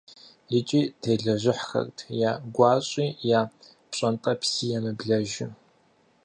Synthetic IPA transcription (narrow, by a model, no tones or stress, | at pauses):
jɨt͡ʃʼiːtʰeːɮɐʑɪħxɐ̰rtʰjaːɡʷɑːɕʼiːjaː | pɕʼɐntʼɐpsiːjɛmɨbɮɐʒɪ